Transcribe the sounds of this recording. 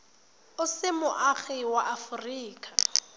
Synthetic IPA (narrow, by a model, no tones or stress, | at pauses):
ʊsɪmʊʔaχɪwaʔafʊriːkʰʼa